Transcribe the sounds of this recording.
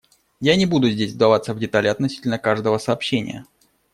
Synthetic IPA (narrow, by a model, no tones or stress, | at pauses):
janʲɪbud̪ʊzʲdʲesʲvd̪ɐvat̪səvdʲɪt̪alʲɪɐt̪nɐsʲi̥tʲɪlʲnəkaʐd̪əvəsəːpɕːenʲɪ̰jə̰